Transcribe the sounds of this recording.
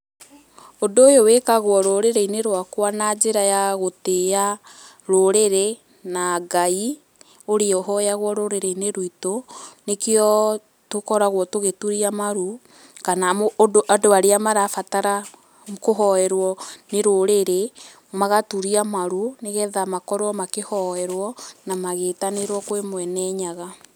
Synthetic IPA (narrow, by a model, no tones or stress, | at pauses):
ondoːjowekaɣwɔɾoɾeɾeineɾwakwanad͡ʒeɾajaɣotea | ɾoɾeɾe | naɡai | oɾeɔɦɔjaɣwɔɾoɾeɾeineɾwitonekeɔ | tokɔɾaɣwɔtoɣetuɾiamaɾu | kanaodoʔadoaɾeamaɾafataɾa | koɦɔɛɾwɔneɾoɾeɾe | maɣatuɾiamaɾuneɣɛðamakɔɾoɔmakehɔɛɾwɔnamaɣetaneɾwɔkwemwɛnɛɲaɣa